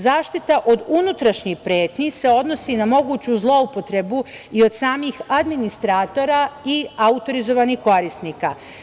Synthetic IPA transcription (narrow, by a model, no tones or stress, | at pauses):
zaːʃt̪it̪aʔo̞d̪unut̪ɾaʃɲixpɾe̞ːt̪nise̞o̞d̪no̞sinamo̞ɡuːt͡ɕuzlˠo̞upo̞t̪ɾe̞bu | io̞d̪saːmixad̪minist̪ɾaːt̪o̞ɾaiaut̪o̞ɾizo̞ʋanixko̞ɾisniːka̰